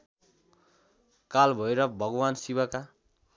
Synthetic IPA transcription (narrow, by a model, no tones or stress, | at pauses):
kalbʱʌeɾʌbʱʌɡʌwansiwʌka